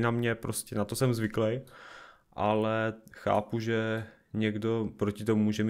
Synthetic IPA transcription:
namɲɛpɾoscɛnat̪osɛmzvɪklɛj | ʔalɛxa̰ːpuʒɛ | ɲɛɡdo̞pɾocɪt̪omumuːʒɛm

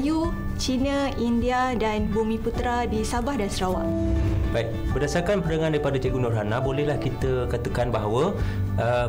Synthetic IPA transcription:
ju | t͡ʃinaindiadanbumĩput̪ɾadisabahdansɾawa | bait̚ | bərdasarkanpəɾəŋãndaɾipadat͡ʃɛɡunuranabolɛɦlahkit̪əkat̪əkanbaɦawəʔə

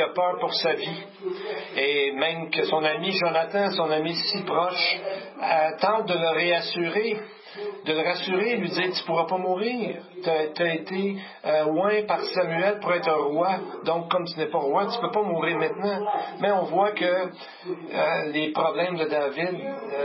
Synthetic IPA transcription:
apœːʁpuʁsavi | emɛ̃mkəsɔ̃namiʒɑ̃nat̪ɑ̃sɔ̃namisipʁɔʃ | t̪ɑ̃t̪̚d̪ələʁeasyʁe | d̪ələʁasyʁelɥid͡z̪iːʁt̪y̥puʁapamuːʁiːʁt̪at̪aet̪e | lwɛ̃paʁsamyɛlpuʁɛːt̪χə̃ʁwad̪ɔ̃kːɔmt̪ynɛpaʁwat̪y̥pøpamuːʁiʁmɛ̃t̪nɑ̃mɛɔ̃vwakə | lepʁɔblɛ̃md̪əd̪aːvɪd̪

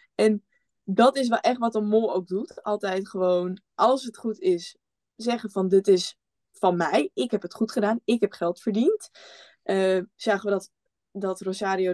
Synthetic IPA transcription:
ʔɛn | dɔtɪs̬ʋɛlˠʔɛχtʋɔtənmolˠowk̚dutɑlˠtɛjtχəʋown | ʔɑlˠsɦətχutɪs | zɛχənfɑndɪtɪs | fɑnmɛjɪkɦɛpɦətχutχədaːnɪkɦɛpχɛlˠtfəɹdint | ʔəz̥aːχəʋədɔt | dɔtrosaːɾijo

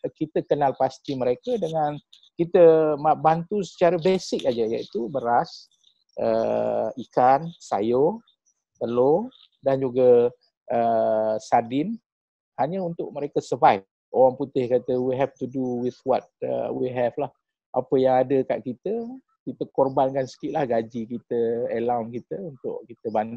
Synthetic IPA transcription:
kit̪əkənalpast̪iməɾekədəŋãnkit̪əmabant̪usə̥t͡ʃaɾəbesɪk̚ad͡ʒajait̪ubəɾas | ʔə̰ikansa̰jo | t̪əlo | dand͡ʒuɡə | əsadɪn | haɲə̃unt̪ʊʔ̚məɾekəsəvajf | oɾaŋput̪ɪhkat̪əwiɦɛft̪uduwɪθwɔt̪̚ə̰wiɦɛflah | ʔa̰pəjaŋadəka̰ʔkit̪ə | kit̪əkorbankansə̥kiʔlahɡad͡ʒikit̪əəlawnkit̪əunt̪ʊ̰ʔkit̪əband

